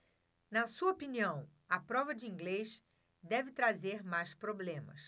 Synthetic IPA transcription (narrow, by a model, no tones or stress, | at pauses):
nɐsuɐopiniɐ̃w̃ | ɐpɾɔvɐd͡ʒɪĩŋɡlejʃ | d̪ɛvɪt̪ɾazeɾmajspɾoblẽmɐ̰s